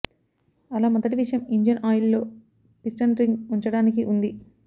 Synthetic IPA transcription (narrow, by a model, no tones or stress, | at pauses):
ɐlaːmɔd̪ɐʈiʋiʂɐjɐmiɲd͡ʒɐnaːjilːo̞ː | pisʈɐnɾiŋɡuɲt͡ʃɐɽaːnikiʔund̪i